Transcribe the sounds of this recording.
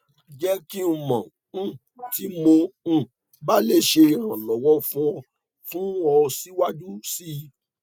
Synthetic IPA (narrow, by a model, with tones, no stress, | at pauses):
d͡ʒɛ˦ki˦u˨mã˨ | ñ̩˦˨ | ti˨˦mõ˧˦˨ | ba˦le˦ʃe˧ɾã˨lɔ˨wɔ˦fũ˦ɔ˧ | fũ˦ɔ˧si˦wa˦d͡ʒu˦si˦˧˦